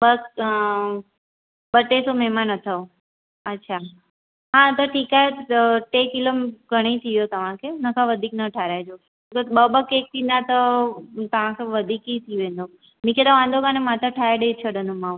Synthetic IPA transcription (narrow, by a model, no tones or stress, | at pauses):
bəs | bəʈːesomemanət̪ʰə | ətːʃʰa | ɦãt̪ɔʈʰikaʈekilomɡʱəɽ̃eit̪ʰiʋjot̪əʋãkʰenəkʰaʋəd̪ʱiknəʈʰaɾad͡ʒo | t̪obəbəkek̚t̪inat̪ɔt̪əmãkeʋəd̪ʱikit̪ʰiʋẽnd̪o | mĩkʰed̪aʋãnd̪oɡanemat̪əʈʰajaɖet͡ʃʰəɽənumãũ